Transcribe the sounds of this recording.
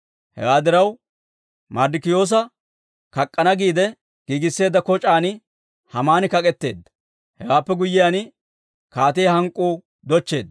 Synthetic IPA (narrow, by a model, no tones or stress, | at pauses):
hɛ̰waːd̪ɪɾɐw | mɐɾd̪ɪkɪjo̞ːs̬ɐ | kɐkʼːɐnɐɡiːd̪ɛ | ɡ̥iːɡɪsːe̞ːd̪ːɐkɔt͡ʃʼaːn | hɐmaːnɪkɐkʼɛt̪ːe̞̰ːd̪ːɐ̥ | hɛ̰waːpːɛɡʊjːɪjaːn | kaːt̪ejhɐŋkʼːuː | d̪ɔt͡ʃːe̞ːd̪ɐ